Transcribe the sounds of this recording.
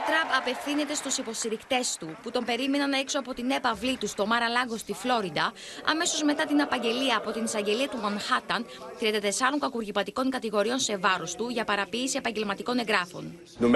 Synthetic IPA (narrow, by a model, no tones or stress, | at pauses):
t̪ɾɐpɐpe̞fθine̞t̪e̞st̪usipo̞st̪iɾikt̪e̞st̪uput̪o̞mbe̞ɾime̞nɐnɐekso̞ɐpo̞t̪ine̞pɐvlit̪ust̪o̞mɐɾɐlɐɣo̞st̪iflo̞ɾid̪ɐ | ɐ̰me̞so̞zme̞t̪ɐt̪inɐpɐɲɟe̞liɐːpo̞t̪inisɐɲɟe̞liɐt̪umonxɐt̪ɐnt̪ɾiɐnd̪ɐt̪esɐɾo̞ŋkɐkuɾʝipɐt̪iko̞ŋkɐt̪iɣo̞ɾio̞nse̞vɐɾo̞st̪uʝɐpɐɾɐpiːsie̞pɐɲɟe̞lmɐt̪iko̞ne̞ŋɡɾɐfo̞̰n | num